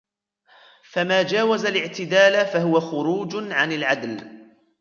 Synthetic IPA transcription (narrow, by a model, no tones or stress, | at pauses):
famaːd͡ʒaːwazalɪʕt̪ɪd̪aːlafaɦʊwaxʊɾuːd͡ʒʕanɪlʕad̪l